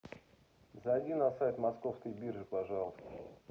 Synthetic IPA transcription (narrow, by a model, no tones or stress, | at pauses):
zɐːdʲinɐsajt̪mɐskofskəjbʲirʐɨpɐʐɑlˠəst̪ə